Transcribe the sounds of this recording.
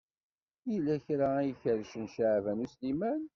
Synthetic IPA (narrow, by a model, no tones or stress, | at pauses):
jilːæçɾaæjəçəɾʃənʃaʕvænuslimæn